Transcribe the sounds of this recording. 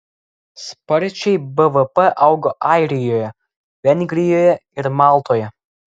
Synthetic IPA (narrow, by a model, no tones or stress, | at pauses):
spɐɾʲt͡ʃʲɛɪbəʋəpɛʔɐʊɡoːʔɑˑɪɾʲɪjoːjɛ | ʋʲɛnʲɡʲɾʲɪjoːjɛɪɾmɑːlˠt̪oːjɛ